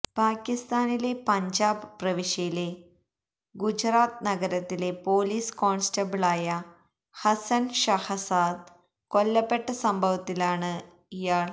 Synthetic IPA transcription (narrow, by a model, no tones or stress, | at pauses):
paːkːist̪aːnile̞pɐɲd͡ʑaːbɨprɐʋiʂjɐjile̞ | ɡud͡ʑraːt̪nɐɡɐɾɐt̪ːile̞po̞ːliːsko̞ːɳstɐbɨɭaːjɐ | hɐsɐnʂɐhɐsaːd̪ | kolːɐpːe̞ʈːɐsɐmbʱɐʋɐt̪ːilaːɳɨ | ijaːɭ